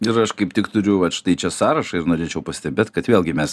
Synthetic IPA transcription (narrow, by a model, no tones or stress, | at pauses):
ɪɾɐʃkɐɪpt̪ʲɪkt̪ʊɾʲʊʋɐtt͡ʃt̪ɐɪt͡ʃʲɛsɑːɾɐʃɐɪɾnoːɾʲeːt͡ʃʲɛʊpɐsʲt̪ʲɛbʲeːt̪kɐt̪ʋʲeːlˠʲɡʲɪmʲɛs